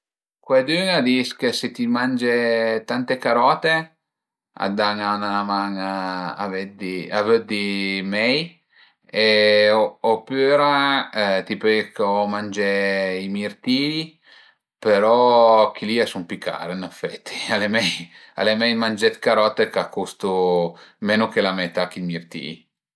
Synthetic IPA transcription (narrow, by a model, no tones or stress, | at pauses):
kwed̪yːŋad̪iskeset̪imand͡ʒet̪ant̪ekaɾɔːt̪e | a̰d̪aŋanaamaŋaa̰ved̪iavød̪imɛj | eoopːyɾat̪ipekːɔmand͡ʒɛimirt̪iːi | peɾɔkiliɛsumpikːa̰ːɾeinɛfɛt̪ʰːi̥alemɛj | a̰lemɛjmand͡ʒɛt̪kaɾɔːt̪ekakʰːust̪umeːnokelamɛt̪ːakːimirt̪ḭːi